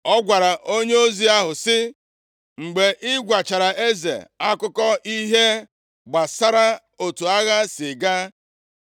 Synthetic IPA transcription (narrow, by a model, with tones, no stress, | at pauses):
ɔ˦ɡʷa˨ɾa˨ʔo˦ɲe˦o˦zi˦a˦ɦʊ˨sɪ˦ | ŋ͡m̩˨ɡ͡be˨ʔɪ˦ɡʷa˨t͡ʃa˨ɾa˨ʔe˦zḛ˨a˦kʊ˦kɔ˦i˦ɦe˦ | ɡ͡ba˨sa˦ɾa˦ | o˨tu˨a˦ɣa˦sɪ˨ɡa˦